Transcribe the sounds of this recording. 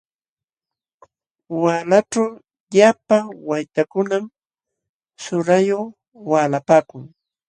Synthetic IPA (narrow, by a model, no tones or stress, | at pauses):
waːlaʈ͡ʂaw | japawajt̪akʊnam | sʊɾajo | waːlapaːkʊŋ